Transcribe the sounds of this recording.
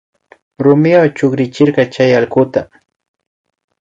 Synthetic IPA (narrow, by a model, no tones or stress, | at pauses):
ɾʊmɪwawt͡ʃʊkɾɪt͡ʃɪɾɢɑt͡ʃajɑlkʊt̪a